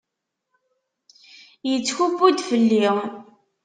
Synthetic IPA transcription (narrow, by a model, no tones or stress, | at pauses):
jət͡sːçubud̪fəlːi